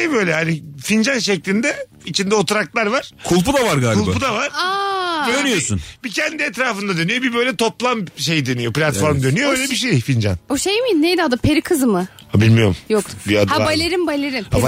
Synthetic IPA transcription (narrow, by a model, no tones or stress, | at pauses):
ejø̞jlʲɛhanifind͡ʒanʃɛclʲind̪ɛ | it͡ʃʰind̪ɛo̞t̪ʰuɾak̚t̪lˠaɾvaɾ̥kʰulˠpud̪avaɾɡaːlkulˠbapud̪avaɾaønyjosṵnbicʰɛnd̪iɛt̪ɾaːfɯnd̪ad̪ø̞nyjo̞bibøjlʲɛt̪ʰo̞plˠamʃe̞jid̪ø̞nyjo̞plʲat̪fo̞ɾmd̪ø̞nyjoøjlʲɛɛbiʃejfind͡ʒa̰noʃejmijinejd̪ihad̪apʰeɾikʰɯzmɯ | abilʲmijo̞ɾmjok̪biad̪habalʲeɾimbalʲeɾima